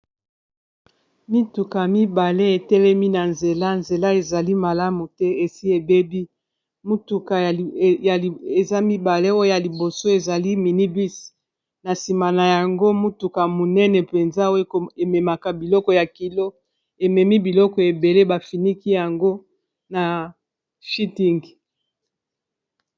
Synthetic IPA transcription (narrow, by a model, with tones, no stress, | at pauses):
mi˦tu˨ka˨mi˦ba˨le˦e˨tɛ˦lɛ˦mi˦na˨nze˨la˦nze˨la˦e˨za˨li˦ma˨la˦mu˨tɛ˦e˨si˦e˨be˦bi˦ | mu˦tu˨ka˨ja˨e˨za˦mi˦ba˨le˦o˦o˦ja˨li˨bo˨so˦e˨za˨li˦mi˨ni˦bi˦s | na˨si˨ma˨na˨ja˨ŋɡo˦mu˦tu˨ka˨mu˨nɛ˦nɛ˨pe˨nza˦o˦e˦ko˨e˨mɛ˨ma˨ka˨bi˨lɔ˦kɔ˨ja˨ki˨lo˦ | e˨mɛ˨mi˦bi˨lɔ˦kɔ˨e˨be˨le˦ba˨fi˨ni˦ki˦ja˨ŋɡo˦ | na˨ | fi˦ti˦ŋɡ